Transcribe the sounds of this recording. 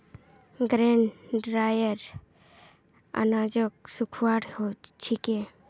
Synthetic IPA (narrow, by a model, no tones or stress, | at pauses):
ɡɾenɖɾajəɾ | a̰nad͡ʒək̚sukʰwaɽhot͡ʃʰikẽ